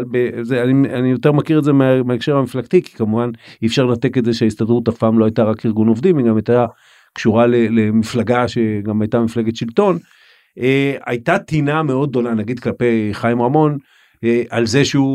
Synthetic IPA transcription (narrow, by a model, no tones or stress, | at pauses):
lbezeanianijo̞t̪e̞ʁmakiʁetzemeameaekʃeʁamiflaɡt̪iki̥kamuvaniːfʃaʁlnat̪e̞ketze̞ʃeaist̪adʁut̪afpaːmloajtaʁakiʁɡuno̞vdimiɡamajt̪a | kʃuʁalele̞miflaɡaʃe̞ɡamajtamifleɡetʃilto̞n | eajt̪at̪iname̞o̞d̪̚ːo̞nanaɡid̪klape̞jχajimʁamo̞n | eʔalze̞ʃeu